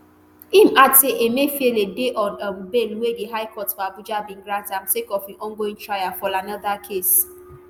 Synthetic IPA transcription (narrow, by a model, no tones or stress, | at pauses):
imateʔemefieledeʔɔnɔmbelwediɦaɪkɔtfabud͡ʒabĩŋ̩ɡɾantãm̩sekɔfiʔɔ̃ŋɡoĩnt͡ʃɾajafɔlanaðakʰes